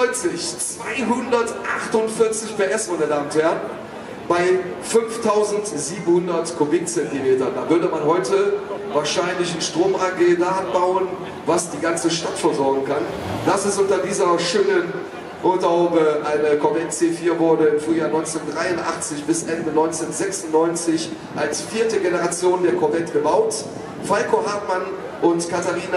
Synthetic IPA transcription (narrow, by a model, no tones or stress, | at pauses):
ɔʏnt͡sɪçt͡sv̥aɪɦʊndɐtʔaχtʊntfɪɐt͡sɪçpeːʔɛsv̥onədaːmnthɛɐ | b̥aɪ | fʏnftʰaʊzn̩tz̥iːbm̩hʊndɐtkʰobɪkt͡sɛntimeːtɐndaːvʏɐdəmanɦɔʏtəvaːɐʃaɪnlɪçn̩ʃtʁ̥oːmʔaɡeːdaanbaʊən | vasd̥iːɡant͡səʃtatfɔɐzɔɐɡŋ̩kand̥asɪstʔʊntɐdiːzɐʃøːnən | ʔotaobəʔaɪnəkʰɔɐvɛt̚t͡seːfiːɐvʊɐdəɪmfʁ̥yːjaːnɔʏ̃nt͡sendʁaɪʊntʔa̰χt͡sɪçb̥ɪsʔɛndənɔʏnt͡senzɛksʊnnːɔʏnt͡sɪç | ʔalsfiːɐtəɡenəʁat͡sjoːndeːɐkʰɔɐbɛtɡ̥əbaʊt | faɪkʰoɦaːtman | ʔʊntkʰataʁiːna